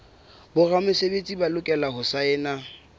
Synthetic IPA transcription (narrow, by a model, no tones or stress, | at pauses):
bʊramʊsebet͡sʼibalʊkʼɛlaɦʊsaɛːna